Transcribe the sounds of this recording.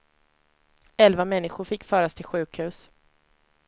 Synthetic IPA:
ɛlvamɛnːɪɧʊɾfɪkːfœːɾast̪ʰɪlɧʉ̟ːkhʉ̟ːs

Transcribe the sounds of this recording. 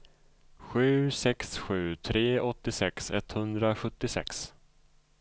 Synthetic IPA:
ɧʉ̟ːsɛksɧʉ̟ːt̪ʰɾeːɔt̪ːɪsɛksɛ̰t̪hɵnd̪ɾaɧɵt̪ːɪsɛ̰ks

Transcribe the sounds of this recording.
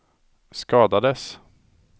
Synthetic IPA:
skɑːd̪ad̪əs

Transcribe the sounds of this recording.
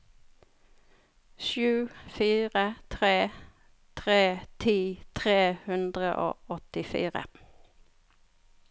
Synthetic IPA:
ʃʉːfiːʁət̪ʰʁeː | t̪ʰʁeːt̪ʰiːt̪ʰʁeːhʉnd̪ʁəʔo̰ːʔɔt̪ɪfḭːʁə̰

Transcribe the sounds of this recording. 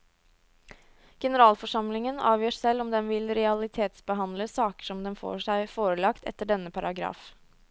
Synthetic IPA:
ɡ̥ɛnəɾɑːlfɔʂɑmlɪŋənɑ̰ːʋjøːsɛlɔmd̪ɛnʋɪlɾɛɑlɪt̪ʰeːt̪sbəɦɑnləsɑːkə̥ʂɔmd̪ɛnfo̰ːʂæɪfoːɾəlɑkt̪ɛ̰t̪ːəɖɛnːəpʰɑɾɑɡɾɑ̰ːf

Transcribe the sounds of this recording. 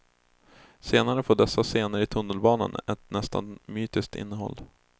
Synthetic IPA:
seːnaɾəfoːɖɛsːaseːnəɾɪt̪ʰɵnːəlbɑːnə̰nɛ̰t̪̚nɛst̪ʰa̰nmyːt̪ɪsk̚t̪ɪ̰nːəɦɔ̰lː

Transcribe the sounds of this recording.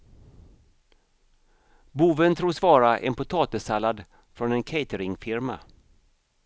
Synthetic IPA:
buːvənt̪ʰɾuːsvɑːɾaʔɛ̰npʊt̪ʰɑːt̪əsalːad̪ | fɾɔnɛnkʰeɪt̪əɾɪŋfɪɾma̰

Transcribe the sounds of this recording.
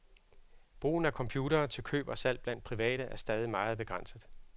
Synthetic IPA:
b̥ʁṵːn̩ækʰɒ̽mpʰjuːɾɐːt͡sʰe̝lkʰø̰ːb̥ɒsæl̰db̥læn̰d̥̚pʰʁiʋɛ̰ːɾ̥əʔæɐsd̥ɛːð̞ˠimɑ̈ːð̞̩ˠb̥e̝ɡ̥ʁɑn̰səð̩ˠ

